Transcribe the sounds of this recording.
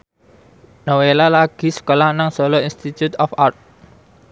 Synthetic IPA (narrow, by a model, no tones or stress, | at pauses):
nowelalaɡ̥i̤sə̥kolahnaŋsɔlɔinst̪it̪jut̪ɔfart̪̚